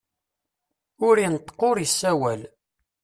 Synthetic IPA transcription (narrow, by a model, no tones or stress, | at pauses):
ʊɾinət̪ˤːqːoɾjəsːæwæl